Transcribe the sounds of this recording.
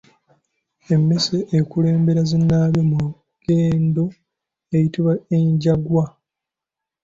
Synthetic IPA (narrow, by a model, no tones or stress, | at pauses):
emːeseʔːkule̞ːmbe̞ɾazenːaβjomu | ɡ̥eːndo̞ | ejitiβaeɲɟaɡwa